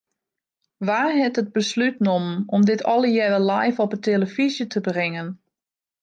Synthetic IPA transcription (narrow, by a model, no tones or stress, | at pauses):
ʋaːɦɛtəd̚bəslytnomnɔmdɪtʰɔlˠəjɛʋəlajfɔpətʰeləfizjətʰəbrɪŋən